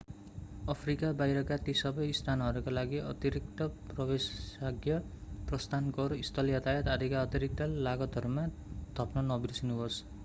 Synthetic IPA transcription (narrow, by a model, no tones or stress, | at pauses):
ʌpʰrikabajɾʌkat̪isʌbʌjst̪ʰanɦʌɾukalaɡiʌ̰t̪iɾik̚t̪ʌprʌbesaɡjʌprʌst̪ʰankʌɾuist̪ʰʌljʌt̪ajʌt̪ad̪ʱikaʌt̪iɾik̚t̪alaɡʌt̪ɦʌɾumad̪̥ʱʌpnʌnʌbirsinuɦos